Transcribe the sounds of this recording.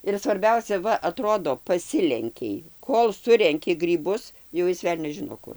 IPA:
ɪr sʋɐrʲˈbʲɛʊsʲɛ ˈʋɐ ɐˈtroːdoː pɐˈsʲɪlʲɛŋʲkʲɛɪ ˈkoːlˠ ˈsʊrʲɛŋʲkʲɪ ɡrʲiːˈbʊs jɛʊ ˈjɪs ˈʋʲɛlʲnʲɛs ˈʒʲɪnoː ˈkʊr

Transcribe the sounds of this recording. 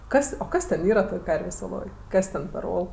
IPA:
ˈkɐs oː ˈkɐs tʲɛn ˈiːrɐ ˈtoːj ˈkɐrʲʋʲeːsʲ oːˈlˠoːj ˈkɐs tʲɛn pʲɛr ˈoːlˠ

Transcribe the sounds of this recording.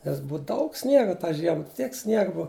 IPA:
nʲɛs ˈbʊʊ ˈdɐʊk ˈsʲnʲiɛɡɐ tɑː ˈʒʲiɛmɐ ˈtʲiɛk ˈsʲnʲiɛɡɐ ˈbʊɐ

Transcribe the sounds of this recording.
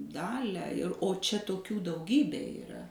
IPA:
ˈdɑːlʲæː ɪr oː ˈt͡ʃʲɛ toːˈkʲuː dɐʊˈɡʲiːbʲeː ɪˈrɐ

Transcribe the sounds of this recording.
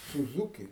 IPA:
sʊˈzuːkʲɪ

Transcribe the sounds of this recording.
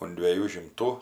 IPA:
ʊn dʲʋʲiɛˈjuː ʃʲɪmˈtuː

